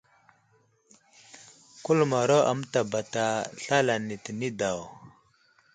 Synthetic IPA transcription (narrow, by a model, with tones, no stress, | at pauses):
ku˦lma˨ɾo˦ʔa̰˨m˦ta˨ba˨ta˨ɬa˦la˨ni˨ti˨ni˦da˨w